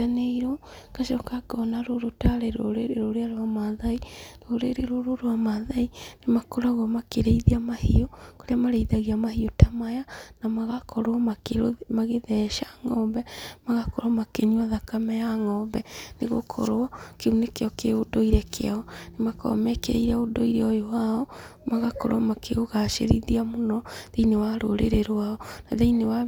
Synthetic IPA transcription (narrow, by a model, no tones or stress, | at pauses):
aneiɾɔkaʃɔkakɔnaɾoɾotaɾeɾoɾeɾeɾoɾeaɾoamaðaiɾoɾeɾeɾoɾoɾoamaðainemakoɾaɣɔmakeɾeiðiamahiokoɾeamaɾeiðaɣiamahiotamajanamaɣakɔɾɔmaemaɣeðɛʃaŋɔmbɛmaɣakɔɾɔmakeɲiɔðakamɛjaŋɔmbɛneɣo̰kʰɔ̰ɾoɔkeunekeɔkeodoiɾɛkeaɔnemakɔ̰mɛkeɾḛiɾaodoiɾeɔjowaɔmaɣakɔ̰ɾoɔmakʰeoɣaʃḛɾḭðiamonɔðeinewaɾoɾḛɾeɾwaɔnaðeinewa